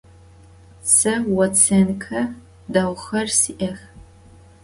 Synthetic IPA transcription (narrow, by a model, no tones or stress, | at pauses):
sɨwɐt͡sʰenkʰɐ | daːwχɐrsiʔɐx